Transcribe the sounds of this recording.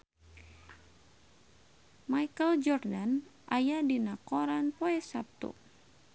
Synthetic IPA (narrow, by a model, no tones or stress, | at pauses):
majkəld͡ʒɔrdanʔajadinakɔɾanpoɛsap̚t̪ṵ